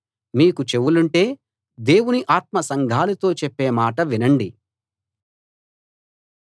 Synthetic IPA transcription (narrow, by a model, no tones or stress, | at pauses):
miːkut͡ʃe̞wuluɳʈe̞ː | d̪e̞ːwuniʔaːt̪̚mɐsɐŋɡʱaːlut̪o̞ːt͡ʃepːe̞ːmaːʈɐʋinɐɳɖi